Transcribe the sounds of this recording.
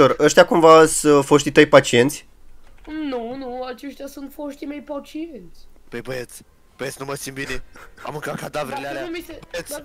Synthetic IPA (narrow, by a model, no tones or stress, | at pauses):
orəʃt̪jakumvasəfoʃt̪ʲit̪əjpat͡ʃie̞nt̪sʲ | nũnũat͡ʃeʃt̪jasũnt̪foʃt̪imejpat͡ʃiẽnt̪sʲ | pəjbəet̪s | b̥əet̪snuməsimbinea̰mɨŋkakad̪avɾelealamiset̪s